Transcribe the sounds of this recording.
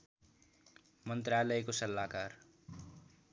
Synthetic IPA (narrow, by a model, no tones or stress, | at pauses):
mʌnt̪ralʌekosʌlːakar